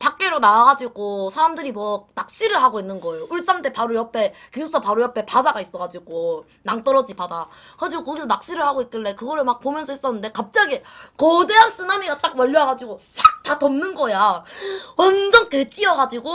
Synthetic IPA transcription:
pak̚k͈eɾonaːɡad͡ʑiɡosʰaɾamdɯɾimʌnak̚ɕ͈iɾɯɭɦaɡoinːɯnɡʌejouɭs͈amtepaɾujʌpʰe̞kisus͈ʰʌpaɾujʌpʰe̞padaɡais͈ʌɡad͡ʑiɡ̥o | naŋt͈ʌɾʌd͡ʑipada | kʰad͡ʑiɡokʌɡisʰʌnak̚ɕ͈iɾɯɭhaɡoit̚t͈ɯɭːe̞kɯɡʌɾɯɭmak̚pomjʌnsʰʌis͈ʌnːɯnde̞kap̚t͡ɕ͈aɡikʌdeɦans͈ʰɯnamiɡat͈ak̚wʌʎːuaɡad͡ʑiɡosʰak̚tatʌmnɯnɡʌja | wʌnd͡ʑʌŋk͈et͡ɕ͈iʌɡad͡ʑiɡo

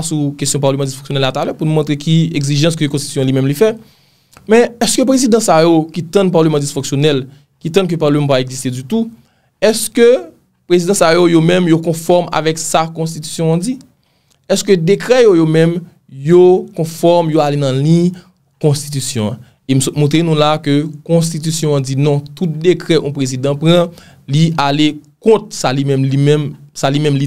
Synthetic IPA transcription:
sukestjɔ̃paʁløm̃d͡zisfɔ̃ksjonɛlat̪alœpunumɔ̃t̪ʁekʰieɡziʒɐ̃s̬køkɔ̃st̪it̪ysjɔ̃limɛ̃mlifɛ | mɛ̃ɛskøpʁezid̪ɐ̃sajokit̪ɐ̃npaʁlømɐ̃d͡zisfɔ̃ksjonɛl | kit̪ɐ̃nk̬øpaʁlømɑ̃paeɡzist̪ed͡zyt̪u | ɛskø | pʁezid̪ãsajojomɛ̃mjokɔ̃fɔʁma̰vɛksakɔ̃s̬t̪it̪y̥sjɔ̃d͡zi | ɛskødekʁɛjojomɛ̃m | jokɔ̃fɔʁmjoalenɐ̃lĩ | kɔ̃st̪i̥t̪ysjɔ̰̃ã | em̩sɔt̪mɔ̃t̪ʁenũlakøkɔ̃s̬t̪it̪ysjɔ̃ãd͡zinɔ̃t̪ut̪̚d̪ekʁɛʔũpʁezid̪ãpʁɐ̃ | lialekɔ̃t̪salimɛ̃mlimɛ̃msalimɛ̃mli

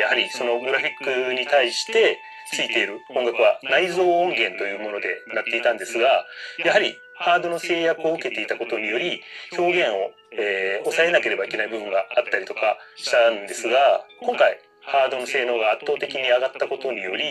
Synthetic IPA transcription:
jahaɾʲiso̞no̞ɡɯ̟ɾaɸʲikːɯɲ̟it̪aiɕi̥t̪e̞ | t͡sɨit̪e̞iɾɯ̟õ̞ŋɡakɯ̟β̞anaizo̞ːõŋɡẽ̞nt̪o̞jɯ̟ːmo̞no̞d̪e̞nat̪ːe̞it̪ãnd̪e̞sɨɡajaɦaɾʲi | haːd̪o̞no̞se̞ːjakɯo̞ɯ̟ke̞t̪e̞it̪ako̞t̪o̞ɲ̟ijo̞ɾʲiço̞ːɡẽ̞ɰ̃o̞ | eːosae̞nake̞ɾe̞baike̞naibɯ̟bɯ̟̃ŋɡaːt̪ːaɾʲit̪o̞kaɕi̥tt̪ãnd̪e̞sɨɡakõ̞ŋkai | haːd̪o̞no̞se̞ːno̞ːɡaːt̪ːo̞ːt̪e̞kʲiɲ̟iaɡat̪ːako̞t̪o̞ɲ̟ijo̞ɾʲi

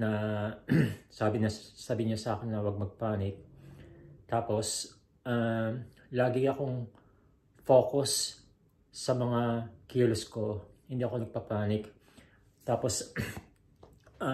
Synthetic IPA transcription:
nɐ | saːbɪɲɐsaːbɪɲosɐʔaːkɪnːɐwɐɡ̚mɐɡ̚paːnɪk̚ | t̪aːpo̞s | ʔa | laːɡɪŋɐkoŋ | fo̞ːkʊsː | ɐmɐŋakiːlosko̞hɪnd̪iːɐko̞nɐɡ̚pɐpaːnɪk | t̪aːpo̞s | ʔa

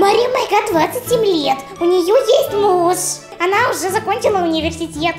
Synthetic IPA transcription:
mɐɾʲimɐjɡad̪vat̪sɨtʲsʲemʲlʲet̪ | ʊnʲɪjojesʲtʲmuʂ | ɐnaʊʐɛzɐkonʲt͡ɕɪlˠəʊnʲɪvʲɪrsʲɪtʲet̪

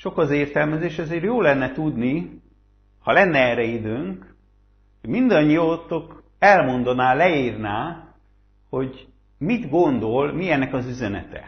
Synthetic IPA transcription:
ʃo̞kɒzeːrt̪ɛlmɛzeːʃɛzeːrjoːlɛnːɛt̪ud̪ni | hɒlɛnːɛɛːrɛid̪øːŋk | hoɟmind̪ɒɲːiot̪ok | ɛlmo̞nd̪ɒnaːlɛiːrnaː | ho̞ɟ | mid̪ɡo̞nd̪o̞lmiɛnːɛkɒzyzɛnɛ̰t̪ɛ̰

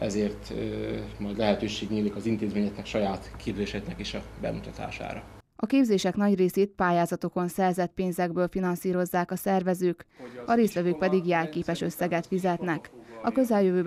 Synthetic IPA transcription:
ɛzeːrt̪ | mɒjd̪lɛɦɛt̪øːʃeːɡɲiːlikɒzint̪eːzmeːɲɛknɛkʃɒjaːt̪kʰeːbzeːʃɛknɛkeːʃɒbɛ̰mut̪ɒt̪a̰ːʃa̰ːɾɒɒkeːbzeːʃɛknɒɟreːseːt̪̚paːjaːzɒt̪o̞ko̞nsɛrzɛt̪̚peːnzɛɡbøːlfinɒnsiːɾo̞zːaːkɒsɛrvɛzøːkɒɾeːsʋɛvøːk̚pɛd̪iɡjɛlkeːpɛʃø̞sːɛɡɛt̪fizɛt̪nɛkɒkø̞zɛljøvøː

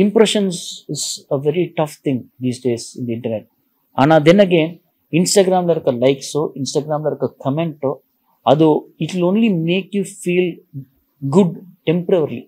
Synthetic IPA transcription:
ĩmpɾeʃɐ̃nsisəʋeɾiʈɐft̪ʰĩŋd̪iːsɖeːsĩnd̪ɐĩɳʈɐɾneʈ̚ | a̰nad̪enɐɡeːn | ĩnsʈaːɡɾaːmlɐɾkɐlɐjksuʔĩnsʈaːɡɾãːmlɐɾkɐkʰɐmẽɳʈ | ɐd̪uiʈloːnlimeːkjufiːl | ɡʊɖʈẽmpɾɐɾlḭ

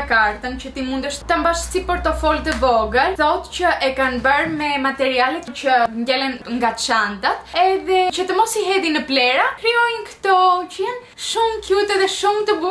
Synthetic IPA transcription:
kaɾt̪əncət̪imund̪əʃt̪ambaʃsipɔɾt̪ɔfɔlt̪əbɔɡəlθɔt̪cəʔɛkanbəɾmɛmat̪ɛɾialɛcəɲɟɛlɛnŋɡat͡ʃant̪at̪ɛðɛt͡ʃət̪əmɔsiɦɛðinəplɛɾakɾiɔjnkə̥t̪ɔt͡ʃəjan | ʃumkjut̪ɛðɛʃumt̪əbu

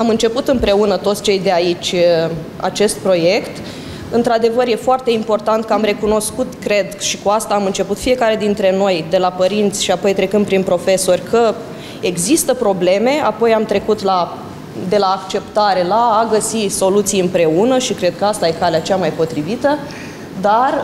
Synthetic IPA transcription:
amɨnt͡ʃe̞put̪ɨmpɾe̞unət̪o̞t̪sʲt͡ʃe̞jd̪e̞ait͡ʃʲ | a̰t͡ʃe̞st̪̚pɾo̞je̞kt̪ | ɨnt̪ɾad̪e̞vəɾje̞foart̪e̞impo̞rt̪ant̪kəamre̞kuno̞skut̪kɾe̞d̪ʃikuast̪aːmɨnt͡ʃe̞put̪fije̞kaɾe̞d̪int̪ɾe̞no̞jd̪e̞lapəɾint̪sʲʃiapo̞jt̪ɾe̞kɨnd̪pɾinpɾo̞fe̞so̞rʲkʰə | e̞ɡzist̪əpɾo̞ble̞me̞apo̞jamt̪ɾe̞kut̪la | d̪e̞laːkt͡ʃe̞pt̪aɾe̞laːɡəsiso̞lut̪sijɨmpɾe̞unəʃikɾe̞d̪̚kəast̪aje̞kaleat͡ʃamajpo̞t̪ɾivit̪ə | d̪ar

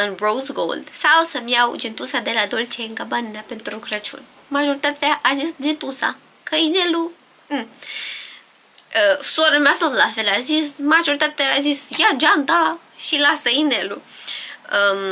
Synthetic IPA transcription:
ɨnrowzɡo̰ld̪sawsəmjawd͡ʒent̪usad̪elad̪olʲt͡ʃeɨŋkabannapent̪ɾukɾət͡ʃṵnʲ | maʒoɾit̪at̪aʔazisd͡ʒent̪usa̰ | kʰəinelu | əsoɾameat̪ot̪lafelazismaʒoɾit̪at̪aːzisjad͡ʒant̪a | ʃilasəinelu | ə

